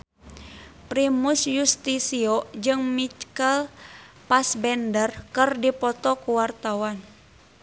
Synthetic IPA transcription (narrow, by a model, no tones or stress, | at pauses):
pɾimusjust̪isiɔd͡ʒɨŋmit͡ʃkəl | pasbɛndərkɨrdipɔt̪ɔkuwart̪awan